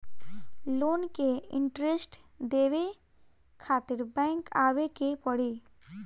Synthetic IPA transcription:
loːnkeɪ̰̃ɳʈɾesʈd̪eːʋe | kʰaːt̪ɪɾbɛ̃ːŋkaːwekepəɽiː

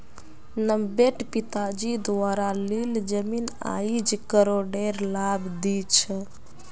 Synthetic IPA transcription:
nəmbeʈpit̪ad͡ʒid̪ʋaɾalild͡ʒəmina̰id͡ʒkəɾoɖeɾlabd̪it͡ʃʰɛ

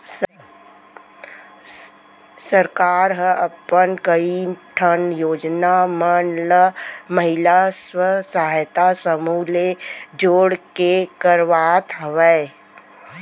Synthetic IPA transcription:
səɾkaːɾɦəʔəpːənkəiʈʰənjoːd͡ʒnamənləməɦɪlaswəsaɦajt̪asəmuːled͡ʒoːɽkekəɾʋaːt̪ʰɦəʋɛ

